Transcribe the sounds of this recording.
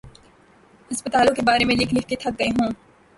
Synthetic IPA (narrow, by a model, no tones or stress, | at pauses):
ɦɐspət̪aːlõkebaːɾemẽlɪkʰlɪkʰket̪ʰɐk̚ɡɐeɦõː